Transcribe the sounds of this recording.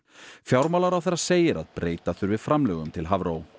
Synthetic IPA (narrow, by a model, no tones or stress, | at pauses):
fjawɾmalaɾawθɛɾːaseːjɪɾa̰ðpɾʔeːjt̪aθʏɾvɪð̥fɾamlœːɣʏmt̪ʰɪlɦavɾow